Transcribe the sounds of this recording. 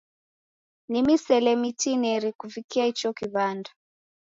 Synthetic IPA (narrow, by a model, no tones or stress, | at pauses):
nimisɛlɛmitinɛɾikufikiahit͡ʃɔkiβanda